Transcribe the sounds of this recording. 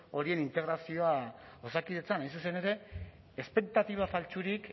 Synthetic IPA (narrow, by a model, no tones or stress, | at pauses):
o̞ɾie̞nint̪e̞ɣɾasio̞a | osakiðet͡sanajns̬use̞neɾe̞ | espe̞k̚t̪at̪iβ̞afalt͡suɾik